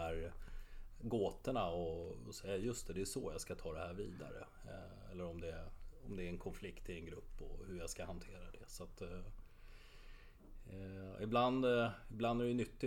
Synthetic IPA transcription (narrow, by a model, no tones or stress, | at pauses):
æɾ | ɡoːt̪əɳaɔɔsɛjːajɵst̪ɛd̪ɛʂɔjaɡskat̪ʰɑːd̪ɛhæːɾviːd̪a̰ɾə̰ | ɛlːəɾɔmd̪ɛɔmd̪ɛæɾɛnkʰɔnflɪkt̪ɪlɛnɡɾɵpːɔ̰hɵɾjaɡskahant̪ʰeːɾad̪ɛsat̪ | ɪ̰bland̪ɪbland̪æɾɛnʏt̪ːɪ